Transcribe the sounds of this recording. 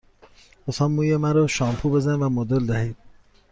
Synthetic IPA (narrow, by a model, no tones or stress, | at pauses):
osɑːmːuːjemæɾɔʃɒːmpʰube̞zænvæmod̪old̪æhiːd̪̥̚